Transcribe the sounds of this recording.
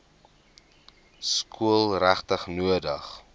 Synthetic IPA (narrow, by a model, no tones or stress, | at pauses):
skʰuəlˠræχtəχnuədəχ